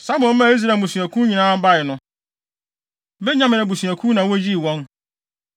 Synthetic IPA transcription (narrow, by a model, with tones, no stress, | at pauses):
sa˦mɔ̃˨n˦mã˦˨˦i˦s̬ɾa˨ũ˨sũ˨æ˨kʰũ˦ɲĩ˨nãː˦m̩˦ba˦˨ɪ˨nʊ̃˦ | bɛ˦ɲã˦mɪ̃˨nã˨bu˨su˨æ˨kʰũ˦nã˨wɔ˦d͡ʑi˦˨wɔ̃˦n